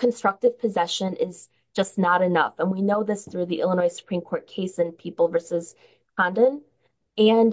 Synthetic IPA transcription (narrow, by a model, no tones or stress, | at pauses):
kʰɨ̃n̩stɹ̥ʌk̚tɨv̥pʰɨzɛʃɨ̃nʔɪz̥ | d͡ʒʌsnəɾɨnʌ̰fə̃nwinoʊðɪsθɹʉðiʔɪ̰lˠənɔɪsə̥pʰɹ̥ĩmkʰɔɹt̚kʰeɪsɨ̃npʰipl̩ˠvɜ˞sɨz̥ | kʰɑ̃ndɨ̃n | ɨ̃n